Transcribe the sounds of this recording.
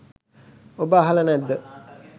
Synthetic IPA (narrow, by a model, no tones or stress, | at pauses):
obəaɦalənɛd̪ːə